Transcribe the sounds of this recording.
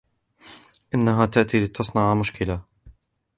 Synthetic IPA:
ʔɪnːaɦaːt̪aʔt̪iːlɪt̪ɑsˤnɑʕmʊʃkɪla

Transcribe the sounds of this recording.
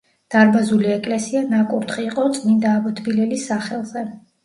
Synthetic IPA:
d̪̥aɾbazuliɛkʼlɛsianakʼuɾt̪χiːqʼɔt̪sʼnid̪aːbɔt̪ʰbilɛlisːaχɛlˠzɛ

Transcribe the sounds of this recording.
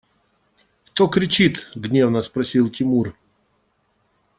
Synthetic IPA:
kt̪okɾʲɪt͡ɕit̪ɡnʲe̞vnəspɾɐsʲilˠtʲɪmur

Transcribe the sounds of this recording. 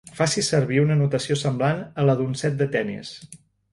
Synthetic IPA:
fasisəɾβiunənut̪əsiosəmblanələðunsɛt̪̚d̪ət̪ɛnḭs

